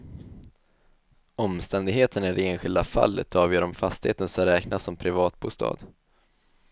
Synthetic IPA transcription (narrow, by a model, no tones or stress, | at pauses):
ɔmst̪ɛnd̪ɪɡɦeːt̪ʰənæɖɛeːnɧɪld̪afa̰lːə̰t̪ʰɑːvjœːɾɔmfast̪ɪ̥heːt̪ənsaɾɛːknasɔmpʰɾɪvɑːt̪̚bṵːst̪ʰɑ̰ːd̪